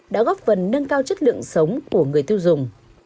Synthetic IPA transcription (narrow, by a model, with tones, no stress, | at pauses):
ɗa̰ː˧˥ɣɔː˦˥p̚fə˨˩nːə˧ŋkaː˧wt͡ɕə˦˥t̚lɨ̰˧˨əŋsə˨˦wŋ͡mku˧˩əŋɨ˨˩əjt̪i˧wzʊ˨˩ŋ͡m